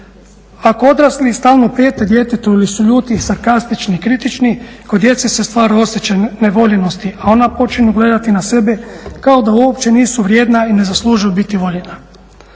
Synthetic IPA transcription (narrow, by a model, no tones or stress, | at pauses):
ako̞o̞d̪ɾaslist̪aːlˠnopeːt̪ed̪je̞t̪et̪uilisuʎuːt̪isaɾkast̪it͡ʃniːkɾit̪it͡ʃniko̞d̪je̞t̪sese̞st̪ʋaːɾao̞sjet͡ʃeneʋo̞ʎeno̞st̪iʔao̞napo̞t͡ʃinuɡle̞d̪at̪inase̞bekao̞d̪auopt͡ɕe̞niːsuʋɾʲjeːd̪naine̞zaslˠuːʒujubit̪iʋo̞ʎena